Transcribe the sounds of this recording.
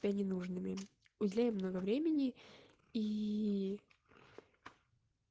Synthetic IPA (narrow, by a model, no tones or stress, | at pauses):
bʲanʲɪnuʐnɨmʲɪ | ʊdʲɪlʲæjɪmːnoɡəvɾʲemʲɪnʲɪ | i